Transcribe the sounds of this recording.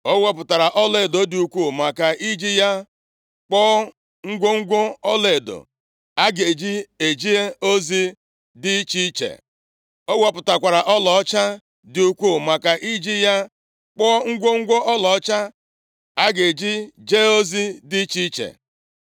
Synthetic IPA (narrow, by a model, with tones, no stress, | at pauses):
o˦wo˦pʊ˨ta˨ɾa˨ʔɔ˦le˨do˨˦dɪ˨u˨kʷu˦˨ma˨ka˨ʔi˦d͡ʒi˦ja˦ | k͡pɔː˦ | ŋ̩˦ɡʷo˦ŋ̩˦ɡʷo˦ɔ˦le˨do̰˨ | a˦ɡe˨d͡ʒi˦e˨d͡ʒi˦e˦o˦zi˦ | dɪ˦t͡ʃi˦t͡ʃḛ˨ | o˦wo˦pʊ˨ta˨kʷa˨ɾa˨ʔɔ˦lɔ˨ɔ˦t͡ʃa˦ | dɪ˨u˨kʷu˦˨ma˨ka˨ʔi˦d͡ʒi˦ja˦ | k͡pɔː˦ŋ̩˦ɡʷo˦ŋ̩˦ɡʷo˦ɔ˦lɔ˨ɔ˦t͡ʃa˦ | a˦ɡe˨d͡ʒi˦d͡ʒe˦o˦zi˦di˦i˦t͡ʃi˦t͡ʃḛ˨